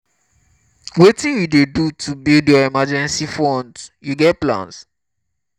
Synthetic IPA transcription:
wetĩnjudedutʰubildjɔimad͡ʒɛ̃nsifɔ̃ndjuɡɛt̚plã̰ns

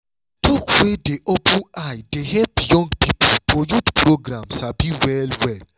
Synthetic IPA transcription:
tʰɔkwedeʔɔbũajdeɦɛpjɔ̃ŋɡpipʰolpɔjutpɾoɡɾãmsabiwɛlwɛl

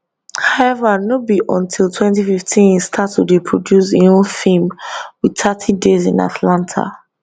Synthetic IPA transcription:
haɛvanobiʔɔ̃ntʰilˠtʰwɛ̃ntififtʰĩnĩstʰatʰːuɹipʰɹɔdjusiõfimwitʰatʰidezḭ̃na̰tʰlãntʰa̰

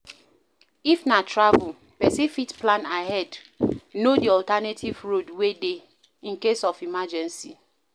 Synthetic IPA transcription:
ifnatɹavul | pɛsifitplãnaɦɛd | nodiɔltanetʰivɹodwede | ĩnkesɔfimad͡ʒɛ̃nsi

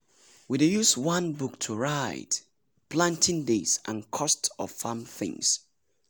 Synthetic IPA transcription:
widejuswʌ̃nbuk̚tʰuɹaɪt | pʰlãntʰɪ̃ndesʔə̰̃nkʰɔstɔ̰v̥famθɪ̰̃ŋs

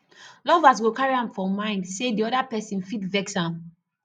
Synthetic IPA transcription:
lɔvas̬ɡokaɹiãmfɔmãɪ̃ndsediɔdapɛsĩnfitvɛksãm

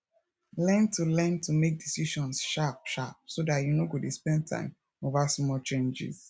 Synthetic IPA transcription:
lɛ̃ntulɛ̃ntʰumek̚disiʃɔ̃nsʃap̚ʃap̚sodatjunoɡodespɛ̃n̚tʰã̰ɪ̃m | ovasmɔt͡ʃẽnd͡ʒḭz

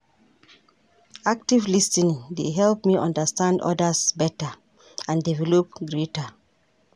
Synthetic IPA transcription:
ak̚tivlistĩndeɦɛlp̚miʔɔ̃ndəstãndɔ̰dəsbɛta | ãndivɛlɔp̚ɡɹetə

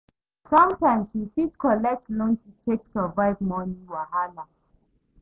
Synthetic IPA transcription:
sʌ̃mtãɪ̃mswifidkʰɔlɛk̚tlɔ̃nkitʰeksɔvaɪvmɔnĩwahala

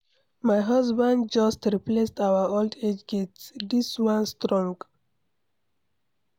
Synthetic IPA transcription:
majɦʌzbãnɖ̚d͡ʒʌsʈɾiplesʈawəolɖed͡ʒɡetsd̪iswʌ̃nstɾɔ̃ŋɡ

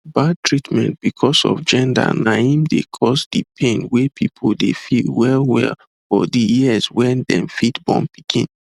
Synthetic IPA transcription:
bad̚tʰɹitmɛ̃nt̚b̥ikʰɔsɔ̰vd͡ʒɛ̃nda̰naĩmdekʰɔsdipʰẽnwepʰipʰoldefilwɛlwɛ̰l | fɔdijiəswɛ̃ndɛ̰̃mfitbɔ̰̃mpikʰḭ̃n

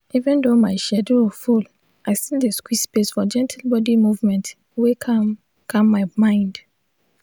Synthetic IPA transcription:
ʔivɛ̃ndomaɪʃɛdoful | ʔaɪstildeskwispesfɔd͡ʒɛ̃ntʰil̩bɔdimuvmɛ̃nt | wekʰ | kʰãmːaɪmãɪ̃nd

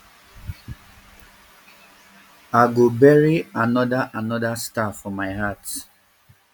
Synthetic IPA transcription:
aɡobɛɹianɔdaʔanɔdastafɔmaɪhat

